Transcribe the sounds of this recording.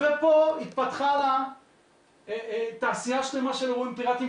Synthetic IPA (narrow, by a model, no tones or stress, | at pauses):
vepo̞it̪̚pat̪χala | t̪aːsiaʃlemaʃelʁuimpiʁat̪i